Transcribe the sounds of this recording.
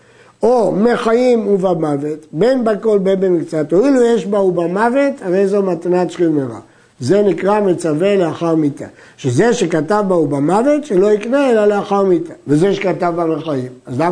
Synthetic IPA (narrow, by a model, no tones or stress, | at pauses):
omeχajimuvamavetbe̞nbako̞lbenbemikt͡sat̪oilujeʃbaubamave̞taʁe̞jzoumat̪anat͡ʃχimeʁa̰ | ze̞nikʁamet͡saveleaχaʁmit̪a̰ | ʃezeʃe̞katavbaubamave̞t̪ʃelo̞ikneelaleaχaʁmit̪avezeʃekatavbameχaimazla